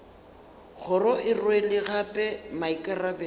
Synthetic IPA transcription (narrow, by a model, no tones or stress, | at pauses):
ɣʰʊrɔʔɪrwelɪɣapʼɛmaikʼarabɛ